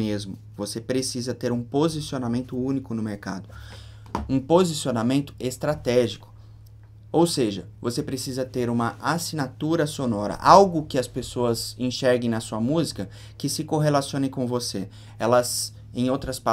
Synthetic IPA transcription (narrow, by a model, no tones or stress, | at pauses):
ezmʊ | vosepɾesizɐt̪eɾũpozisionamẽnt̪ʊũnikʊnʊmeɾka̰d̪ʊ | ũpozisionamẽnt̪ʊ̥est̪ɾat̪ɛʒikʊ̥ | owseʒɐ | vosepɾesizɐt̪eɾũmɐʔasinat̪uɾɐsonɔɾɐ̰ʔawɡʊkɪɐspesoɐzẽʃɛɾɡẽj̃nɐsuɐmuzikɐ | kɪsɪkoɦelasiõnẽj̃kõvose | ɛlɐz | ẽj̃owt̪ɾɐspa